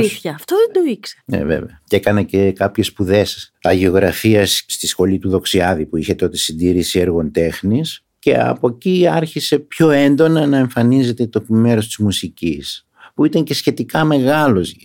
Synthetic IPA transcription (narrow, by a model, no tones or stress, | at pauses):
iθçɐːft̪oðend̪o̞iksenḛvḛvḛɐce̞kɐnɐce̞kɐpçe̞spuðe̞sɐʝeo̞ɣɾɐfiɐsst̪isxo̞lit̪uðo̞ksiɐðipuiçe̞t̪o̞t̪e̞sind̪iɾisieɾɣo̞nt̪e̞xnis | ce̞̰ɐ̰po̞ciɐɾçise̞pço̞e̞nd̪o̞nɐnɐe̞ɱfɐnize̞t̪et̪o̞kme̞ɾo̞st̪i̥zmusicis | puit̪ɐɲce̞sçe̞t̪ikɐme̞ɣɐlo̞z